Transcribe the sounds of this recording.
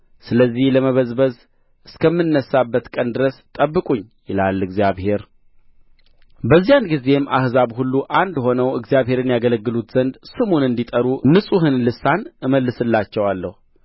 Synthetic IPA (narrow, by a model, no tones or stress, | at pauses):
sɨləzːihləməβəzbəz | ʔɨskʰəmːɨnːəsːabːət̪kʼənd̪ɨɾəst̪ʼəbːɨkʼuɲː | jɪlalːɨɡzijaβhe̞ɾ | bəzːijanɡize̞mʔa̰hzaβhulːuʔand̪ho̞nəwɨɡzijaβɦhe̞ɾɨnjaɡələɡːɨlut̪z̥ənd̪sɨmunɨnd̪it̪ʼəɾunɨsʼuɦɨnlɨsːanɨməlːɨsɨlːat͡ʃːɛwalːəhu